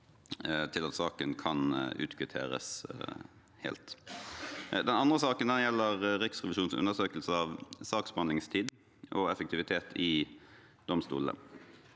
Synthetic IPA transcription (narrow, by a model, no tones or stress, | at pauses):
t̪ʰɪlɑt̪sɑːkənkʰɑnʉ̰ːt̪kʰʋɪt̪ʰḛːɾə̰s | hḛːlt̪ | d̪ɛnɑnd̪ʁəsɑːkənd̪ɛnjɛlːəʁɾɪksʁɛʋɪʃuːnsʉ̰nəʁsøːkəlsəɑʋsɑːksbəhɑnd̪lɪŋst̪ʰiːd̪ | ʔɔɛfək̚t̪ɪʋɪt̪ʰeːt̪ʰɪ | d̪̥ɔmst̪ṵːlə̰